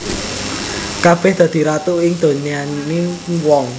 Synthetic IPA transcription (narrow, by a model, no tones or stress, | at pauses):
kab̥ɛhd̪̥ä̤d̪̥i̤ɾat̪uɪŋd̪̥o̤nianewɔŋ